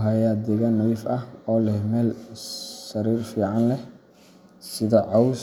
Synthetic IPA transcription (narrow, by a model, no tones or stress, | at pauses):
ɦɐjaːd̪ɛɣanːɐwifɐhɔːlɛhmɛːl | sɐɾiːrfiːʕɑnlɛ | sɪðɔʕɑws